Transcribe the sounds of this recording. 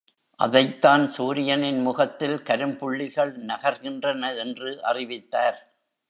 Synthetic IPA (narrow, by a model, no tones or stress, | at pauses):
ʔɐ̰ðɐɪt̪ːaːnsuːɾɪjɐnɪnmʊɣɐt̪ːɪlkɐɾɯmpʊɭːɪɣɐɭnɐɣɐɾɣɪndrɐnɐɛndrɯʔɐ̰rɪʋɪt̪ːaːɾ